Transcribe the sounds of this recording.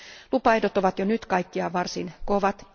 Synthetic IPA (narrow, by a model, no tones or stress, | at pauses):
lupɑidot̪oʋɑt̪jonyt̪kɑikːiɑʋɑrsinkoʋɑt̪